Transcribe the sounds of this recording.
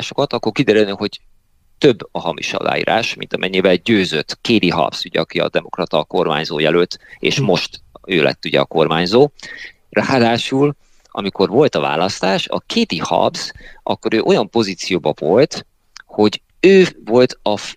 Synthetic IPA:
ʃo̞kɒt̪ɒkːo̞rkid̪ɛɾylneho̞ɟ | t̪ø̞bːɒɦɒmḭʃɒ̰la̰ːjḭːɾaːʃmḭnt̪ɒmɛɲːivɛlɟøːzøt̪ːkeːd̪iɦɒ̰b̥suɟɛ̰ɒkiɒ̰d̪ɛmo̞krɒt̪ɒko̞rmaːɲzo̰ːjɛløt̪ːḛːʃmo̞ʃt̪øːlɛ̰t̪ːuɟɛ̰ɒko̞rmaːɲzoː | raːd̪aːʃul | ɒ̰miko̞rvo̞lt̪ɒva̰ːlɒst̪aːʃɒ̰kʰeːd̪ihɒ̰bz̥ʔɒkːo̞ɾøːʔo̞jɒmpo̞ziːt̪sijoːbɒvo̞lt̪ | ho̞ɟ | øːvo̞lt̪ɒ

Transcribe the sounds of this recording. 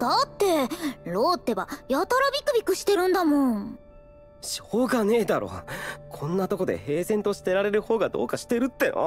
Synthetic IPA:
d̪̥at̪ːe̞ɾo̞ːt̪ːe̞βajat̪aɾabʲikɯ̟bʲikɯ̟ɕi̥t̪e̞ɾɯ̟̃nd̪amõŋ | ɕoːɡane̞ːd̪aɾo̞̰ːkʰõ̞nːat̪o̞ko̞d̪e̞̰he̞ːsẽ̞nt̪o̞ɕi̥t̪e̞ɾaɾe̞ɾɯ̟ho̞ːɡad̪o̞̰ːkaɕi̥t̪e̞ɾɯ̟t̪ːe̞̰a̰

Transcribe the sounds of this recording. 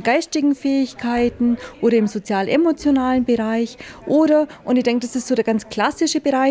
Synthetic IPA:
nɡ̥aɪstɪɡŋ̩fɛːɪçkʰaɪtn̩ʔʔoːɾɐɪmzot͡sjaːlʔḛmot͡sjonaːlənbəʁaɪçʔoːɾɐʔʊntɪçd̥ɛŋk̚d̥asɪstz̥oːdeɐɡ̥ant͡skl̥asɪʃəbəʁaɪ

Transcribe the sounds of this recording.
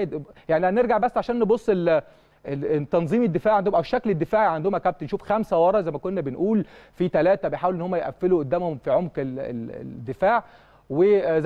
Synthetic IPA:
d̪jaʕniææneɾɡaʕbæsːʕaʃæːnːebosˤːel | et̪ːɑnzˤiːmed̪ːefaːʕand̪omʔæweʃːækled̪ːefaːʕiʕand̪omækæb̚t̪enʃuːfxæmsæwɑɾˤɑzæjmækonːæbenʔuːlfit̪ælæːt̪æbejħaːwelʔenːhomːæjʔæfːeluʔod̪ːæːmhomfiʕomkeḛd̪ːefaːʕ | wez

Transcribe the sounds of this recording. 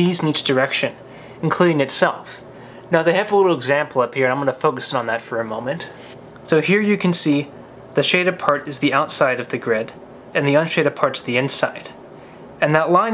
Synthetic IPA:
iznit͡ʃd̥ə˞ɛkʃɨ̃n | ɨ̃n̩kʰl̥uɾɪ̃ŋɨtsɛlˠf | naʊðeɪɨvəlɪɾl̩ˠəɡzæ̃mpl̩ˠʌphiɹɨ̃naɪ̃mwɑnəfoʊkɨsɨ̃nn̩ðətfə˞ɨmõʊ̃mɨ̃nt | soʊhiɹjɨkʰɨ̃n̩si | ðɨʃeɪɾɨpʰɑɹɾɨzðiaʊtsaɪɾʌvðɨɡɹɪɾ | ɨ̃nðiʌ̃nʃeɪɾɨpʰɑɹɾsðiɪ̃nsa̰ɪɾ | ɨ̃nðəʔˡlãɪ̃

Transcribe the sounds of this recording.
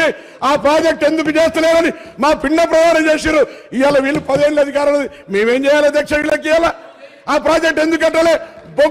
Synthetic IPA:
i | aːpɾaːd͡ʒek̚ʈe̞nd̪ukut͡ʃeːst̪uleːɾɐni | maːpiɳːɐpɾɐd̪ʱaːɾɐmt͡ʃeːsiɾuijaːlːɐʋiːlːupɐd̪eːɳlɐd̪ʱikaːɾɐnːɐd̪i | meːmeːmt͡ʃɛːjaːlɐd̪ːɛːkʂɐɐilɐkːijaːlaː | aːpɾaːd͡ʒek̚ʈe̞nd̪uk̬ɛʈːɐleːbo

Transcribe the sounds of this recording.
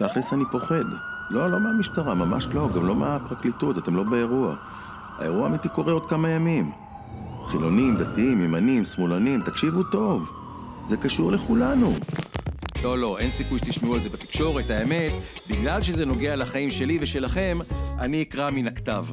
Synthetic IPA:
t̪aχlesanipo̞χe̞d̪lo̞lo̞meamiʃtaʁamama̰ʃlo̞ɡamlo̞meapʁaklit̪ut̪atemlo̞beeʁua̰ | a̰e̞ʁuamit̪iko̞ʁeo̞d̪̚kamajamim | χilo̞nimd̪at̪iimjemanimsmulanimt̪akʃivuto̞v | zekaʃuʁle̞χulanu | lo̞lo̞ʔe̞nsikujʃet̪iʃmeuelzebat̪i̥kʃo̞ʁe̞t̪aeme̞t̪ | biɡlalʃ̬ezeno̞ɡe̞alaχaimʃe̞liveʃe̞laχe̞maniːkʁaminakt̪av

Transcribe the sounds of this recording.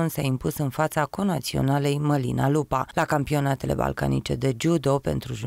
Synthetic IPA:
nsaimpusɨnfat̪sako̞nat̪sio̞̰nalejməlḭnalupalakampio̞nat̪e̞le̞̰ba̰lka̰nḭt͡ʃe̞d̪e̞d͡ʒud̪o̞pe̞̰nt̪ɾuʒu

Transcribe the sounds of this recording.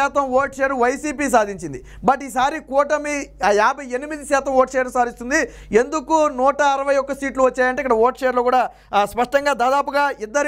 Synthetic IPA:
aːt̪ɐmoːʈʃeːɾluʋɐjsiːpiːs̬aːd̪ʱiɲt͡ʃind̪i | bɐʈːiːsaːɾikɔːʈɐmijaːbʱɐje̞nimid̪iʃaːt̪ɐmoːʈʃeːɾnusaːd̪ist̪und̪i | e̞nd̪ukunuːʈɐːɾɐʋɐjɔkːɐsiːʈluʋɐt͡ʃːaːjɐɳʈeikɐɽɐoːʈʃeːɐɾloːkuːɽaː | spɐʂʈɐŋɡaːd̪aːd̪aːpuɡaːid̪ːɐɾ

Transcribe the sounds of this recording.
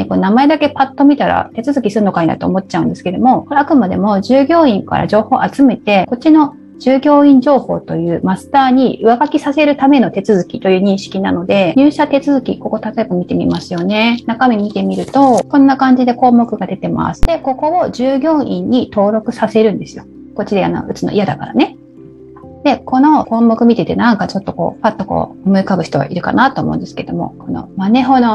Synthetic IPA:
konamae̞d̪ake̞pat̪ːo̞mʲit̪aɾa̰t̪e̞t͡sɨzɨkʲisɨɾɯno̞kaɲina̰t̪o̞̰ːmo̞t̪t͡ɕaɯ̟nd̪esɨ̥ke̞d̪o̞mo̞oɾeakɯ̟mad̪e̞̰mo̞ʑɨːɡʲo̞ːĩŋka̰ɾa̰d͡ʑo̞ːho̞ːʔat͡sɨme̞t̪e̞ko̞t͡ɕino̞ | d͡ʑ̥ɨːɡʲo̞ːĩɲd͡ʑo̞ːho̞̰ːt̪o̞jɯ̟ːmasɨ̥t̪aːɲ̟iʔɯ̟aɡakʲisase̞ɾɯ̟t̪ame̞no̞t̪e̞t͡sɨzɨkʲit̪o̞jɯ̟ːɲ̟ĩɰ̃ɕi̥kʲina̰no̞d̪e̞ɲɨːɕat̪e̞t͡sɨzɨkʲḭko̞ko̞t̪at̪o̞ebamʲit̪e̞mʲḭmasɨjo̞ne̞nakamʲimʲit̪e̞mʲiɾɯ̟t̪o̞kõ̞nːakãɲ̟d͡ʑid̪e̞ko̞ːmo̞kɯ̟ɡad̪e̞t̪e̞ma̰sɨ̥d̪e̞ko̞ko̞oʑɨːɡʲo̞ːʔĩɲ̟ːit̪o̞ːɾo̞kɯ̟sase̞ɾɯ̟̃nd̪e̞sɨ̥jo̞ | ko̞t͡ɕːid̪ea̰no̞̰ɯ̟t͡sɨno̞̰ḭjad̪akaɾa̰ne̞ | d̪̥e̞ko̞no̞ko̞ːmo̞kɯ̟mʲit̪e̞t̪e̞nãŋkat͡ɕo̞t̪ːo̞ko̞̰ːpat̪ːo̞ko̰ːomɯ̟ikaɡɯ̟çi̥t̪o̞βa̰ʔiɾɯ̟ka̰nat̪o̰ːmoɯ̟̃nd̪esɨ̥keed̪o̞mo̞̰ko̞no̰mane̞ɦo̞no

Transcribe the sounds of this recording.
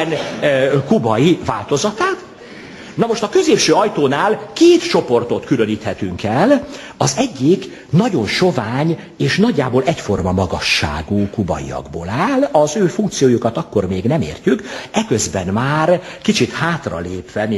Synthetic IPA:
nkubɒjivaːlt̪o̞zɒt̪aːt̪ | nɒmo̞ʃt̪ɒkø̞zeːpʃøːɒjt̪oːnaːlkeːt̪t͡ʃo̞po̞rt̪o̞t̪kyløniːt̪hɛt̪yŋkɛl | ɒzɛɟːik | nɒɟo̞nʃo̞vaːɲ | eːʃnɒɟːa̰ːbolʔɛcfo̞rmɒmɒɡɒʃːa̰ːɡuːkubɒ̰jḭɒ̰ɡboːlaːlɒzøːfuŋkt̪sijoːjukɒt̪ɒkːo̞rmeːɡnɛmḛːrcykɛkøzbɛnmaːrkit͡ʃit̪haːt̪rɒ̰leːpʋɛmi

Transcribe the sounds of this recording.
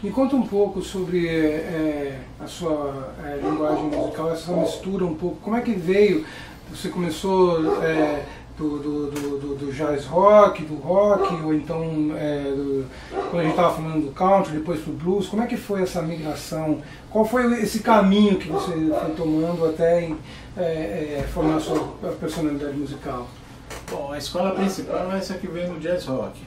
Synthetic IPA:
ĩkõnt̪ɐũpowkʊsobɾɪɛ | ɐsuɐɛlĩŋɡwaʒẽj̃muzikawɛsɐmist̪uɾɐũpowkʊ̥kõmʊɛkɪvejʊ | vosekomesoɛ | d̪̥ʊd̪ʊd̪ʊd̪d̪ʊʒazɦɔkɪd̪ʊɦɔkɪoẽnt̪ɐ̃w̃ɛd̪ʊ | kwɐ̃d̪ɐʒẽt͡ʃɪt̪avɐfalɐ̃nd̪ʊd̪ʊkãw̃t̪ɾd̪ɪpojspɾʊbluskõmʊɛkɪfojɛsɐmiɡɾasɐ̃w̃ | kwawfojʊesɪkamĩɲʊkɪvosefojt̪omɐ̃nd̪ʊat̪ɛẽj̃ | ɛɛfoɾmaɾsuɐɐpeɾsonalid̪ad͡ʒɪmuzikaw | b̥õw̃ɐɪskɔlɐpɾĩsipawɛsɐkɪvẽj̃d̪ʊd͡ʒazhɔkɪ̥

